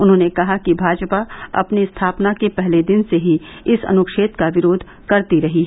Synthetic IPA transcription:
ʊnɦõːnekɐɦakibʱaːd͡ʒpaɐ̰pnist̪ʰaːpnakepɛɦled̪ɪnseɦiɪsɐ̰nʊkʃeːt̪kaʋɪɾoːd̪ʱ | kɐɾt̪iɾɐɦiɦɛ

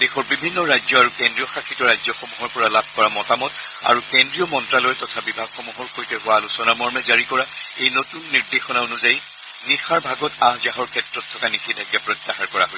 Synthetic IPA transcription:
d̥exɔɹbibʱinːɔɹajzɔaɹukɛndɹiɔxakʰitɔɹajzɔxɔmuɦɔɹpɔɹalab̚ʱkɔɹamɔtamɔt | a̰ɹukɛndɹiɔmɔntɹalɔjtɔtʰabibʱaɡxɔmuɦɔɹkojtɛɦʊwalusɔnamɔɹmɛzaɹikɔɹa | ejnotunːiɹdexɔnaonuzaji | nixaɹbʱaɡɔtaɦzaɦɔɹkʰɛtɹɔtʰːɔkanixʰidʱakɛpɹɔtːaxaɹkɔɹa̰ɦo

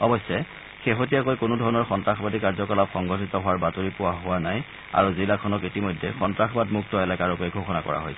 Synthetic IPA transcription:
ɔbɔsːɛ | xexot̬ijakojkʊnʊdʱɔɹɔnɔɹxɔntɹaxʰɔbadikaɹzɔkɔlapxɔŋɡʱɔtitɔɦʊwaɹbatoɹipʊwaɦʊwanaj | a̰ɹuzilakʰɔnɔkitimɔjdʱɛxɔntɹaxɔbadmuk̚tɔɛlakaɹɔkɛɡʱoxɔnakɔ̰ɹa̰ɦojsɛ

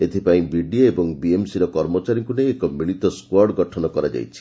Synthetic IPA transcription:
et̪ʰipaĩbiɖioebɔŋbiemsiɾɔkɔɾmɔt͡ʃaɾiŋkuneːkɔmiɭit̪ɔskwɔɾɖɡɔʈʰɔnɔkɔɾad͡ʒa̰jt͡ʃʰi̥

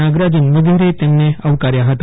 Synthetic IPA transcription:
aɡɾad͡ʑənʋəd̪ʱeɾet̪enːeəʋkaɾjaɦət̪a

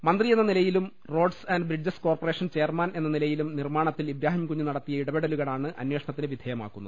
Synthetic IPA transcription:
mɐnd̪rijenːɐnilɐjilum | ro̞ːɖsɐnɖbrid͡ʑɐsko̞ːrpoɐre̞ːʂɐnt͡ɕe̞ːrmaːne̞nːɐnilɐjilumnirmaːɳɐt̪ːilibɾaːɦimkuɲːunɐɽɐt̪ːijɐiɽɐbeɽɐluɣɐɭaːɳɨʔɐ̰nwe̞ːʂɐɳɐt̪ːineʋid̪ʱɐːjɐma̰ːkːunːɐðɨ

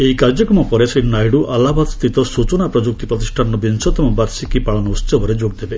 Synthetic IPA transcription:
eikaɾd͡ʒɔkɾɔmɔpɔɾesinajɽuʔalabat̪st̪it̪ɔsut͡ʃɔnapɾɔd͡ʒuk̚t̪ipɾɔt̪isʈʰanːɔbinsɔt̪ɔmɔbaɾsikipaɭɔnɔust̪jɔbʱɔɾed͡ʒoɡ̚d̪ebe

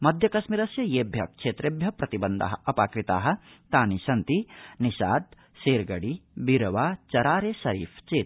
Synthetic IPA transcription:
mɐd̪ʱjɐkɐsmiɾɐsjɐjeːbʱjɐkt͡ʃʰeːt̪ɾebʱjɐpɾɐt̪ibɐnd̪a̰ɦɐ̆ɐpaːkɾit̪a̰ːɦɐ̆t̪aːnisɐnt̪iniʃaːd̪ | seːɾɡɐɽibiɾɐʋaːt͡ʃɐɾaːɾesɐɾḭːpʰt͡ʃeːt̪

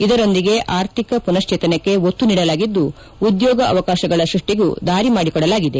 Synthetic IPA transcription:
id̪ɐɾo̞nd̪iɡe̞ʔaːɾt̪ʰikɐpunɐʃt͡ʃiːt̪ɐnekːe̞ot̪ːuniːɽɐlaːɡid̪ːuː | d̪jɔːɡɐɐ̰ʋɐkaːʃɐɡɐɭɐʃɾuʂʈiɡṵd̪aːɾimaːɽikɔɽɐlaːɡid̪e

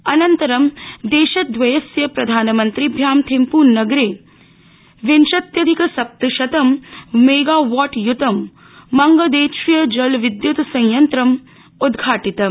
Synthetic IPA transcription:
ɐnɐnt̪ɐɾɐmd̪eːʃɐt̪̚d̪ʋɐjɐsjɐpɾɐd̪ʱaːnɐmɐnt̪ɾibʱjaːmt̪ʰimpuːnnːɐɡɾeː | ʋenʃɐt̪jɐd̪ʱikɐsɐp̚t̪ɐʃɐt̪ɐmmeːɡaːʋaːʈjut̪ɐmː | ɐŋɡɐd̪eːʃijɐd͡ʒɐlʋid̪jut̪sɐ̃jjɐnt̪ɾɐm | ud̪ɡʱaːʈit̪ɐ

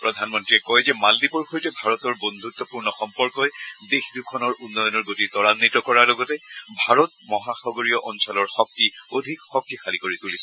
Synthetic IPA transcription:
pɹɔdʱanmɔntɹiɛkɔjzɛmaldipɔɹxʰojtɛbʱaɹɔtɔɹbond̪ʱut̪ːɔpuɹnɔxɔmpɔɹkɔjdexdukʰɔnɔɹʔunːɔjɔnɔɹɡotitɔɹanːitɔkɔɹalɔɡɔtɛbʱaɹɔt̚mɔɦaxɔɡoɹijɔʔɔnsɔlɔɹxɔk̚tiodʱikxɔk̚tixʰalikoɹitulisɛ

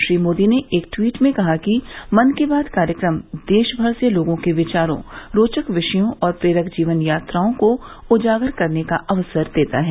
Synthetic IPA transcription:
ʃɾiːmoːd̪ineʔeːk̚ʈwiːʈmẽkɐɦakimɐnkebaːd̪kaːɾjəkɾəmd̪eːʃbʱəɾseloːɡõkeʋɪt͡ʃaːɾõ̰ɾoːt͡ʃəkʋɪʃəjõʔɔːɾpɾeːɾəkd͡ʒiːʋənjaːt̪ɾaːõko | ʊd͡ʒaːɡəɾkɐɾnekaʔɐʋsəɾd̪eːt̪aɦɛː

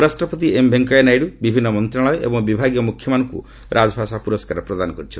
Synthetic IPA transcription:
ɾasʈɾɔpɔt̪̬iembʱeŋkɔenajɽubibʱinːɔmɔnt̪ɾaɭɔjɔʔḛbɔŋbibʱaɡijɔmukʰjɔmanɔŋkṵ | ɾʔad͡ʒɔbʱasapuɾɔskaɾɔpɾɔd̪anɔkɔɾit͡ʃʰil

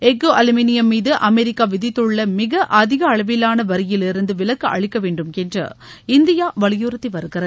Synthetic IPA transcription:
ɛɡoʔɐlɐminɪjɐmːiːðɯʔɐmɛɾɪkːaːʋɪðɪt̪ːɯɭːɐmɪɣɐʔɐðɪɣɐːɭɐʋɪlaːnɐʋɐɾɪjɪlɪɾɯnd̪ɯʋɪlɐkːɯʔɐ̰ɻɪkːɐʋeːɳɖɯmkɛndrɐ̰ɪnd̪ɪjaːʋɐɭɪjuːɾɐt̪ːiʋɐɾɯɣɪrɐð

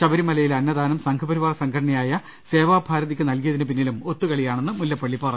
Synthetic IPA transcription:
ɕɐbɐɾimɐlɐjilɐnːɐd̪aːnɐmsɐŋkʰɐbɐɾiʋaːrɐsɐŋɡʰɐɽɐɳɐjaːjɐ | se̞ːʋaːbʱaːɾɐðikʲːɨnɐlkijɐðinɨp̬inːilumo̞t̪ːukɐɭijaːɳe̞nːɨmulːɐpːɐɭːipːɐrɐ

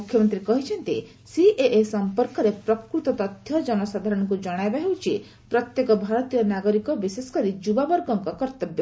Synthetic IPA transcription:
mukʰjɔmɔnt̪ɾikɔɦit͡ʃʰɔnt̪ḭ | siʔeʔesɔmpɔɾkɔɾepɾɔkɾut̪ɔt̪ɔt̪jɔd͡ʒɔnɔsad̪ʱaɾɔɽ̃ɔŋk̬ud͡ʒɔɽ̃ajbaɦewt͡ʃʰi | pɾɔt̪jekɔbʱaɾɔt̪ijɔnaɡɔɾikɔbisesɔ̥kɔɾid͡ʒubabɔɾɡɔŋkɔkɔɾt̪ɔbjɔ

